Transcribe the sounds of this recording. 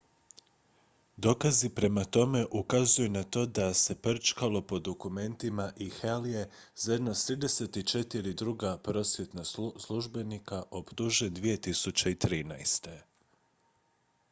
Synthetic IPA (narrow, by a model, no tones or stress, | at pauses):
d̪o̞kazipɾe̞mat̪o̞me̞ʔukazujunat̪o̞ːd̪ase̞pr̩t͡ʃkalˠo̞po̞d̪o̞kume̞nt̪imaʔixelje | z̥ajed̪nast̪ɾiːd̪e̞se̞t̪it͡ʃe̞t̪iɾid̪ɾuɡapɾo̞sʋje̞t̪naslˠuʒbe̞nikaʔo̞pt̪uʒed̪ʋije̞t̪isut͡ɕeit̪ɾiːnajst̪e̞